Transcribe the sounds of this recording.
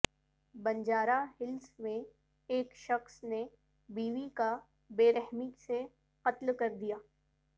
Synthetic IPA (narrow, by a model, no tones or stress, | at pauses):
bɐ̃ɲd͡ʒaːɾaɦɪlsmẽ | eːkʃɐxsne | biːʋika | beːɾɛɦmise | qɐt̪lkɐɾd̪ijaː